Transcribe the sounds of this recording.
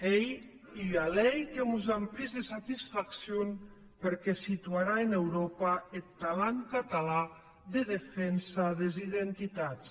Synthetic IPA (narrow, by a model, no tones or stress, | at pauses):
ej | ialɛjkemuzampɾizðesat̪isfaksjon | peɾkɛsit̪uaɾaenewɾopaet̪ːalaŋkat̪ala | ðeðefɛnsaðeziðent̪it̪at͡s